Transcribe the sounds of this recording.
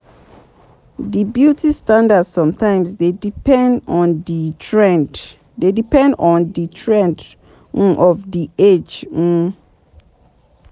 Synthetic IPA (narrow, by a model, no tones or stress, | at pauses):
dibjutʰistãndadsɔ̃mtʰãɪ̃msdedipʰɛ̃ndɔ̃nditʰɹɛ̃nd | dedipʰɛ̃ndɔ̃nditʰɹɛ̃nd | n̩ʔɔvdied͡ʒn̩